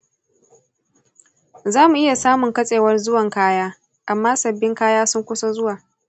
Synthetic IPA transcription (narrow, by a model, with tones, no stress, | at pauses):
zaː˦mu˨ʔɪ˦ja˨saː˦mʊ˨ŋkɐ˦sʼeː˨wɐ˦rzʊ˦wɐ˨ŋkaː˦jaː˦ | ʔa˨mːaː˦sɐ˨bːɪ˦ŋkaː˦jaː˦sʊ˦ŋkʷʊ˦so˦zʊ˦waː˨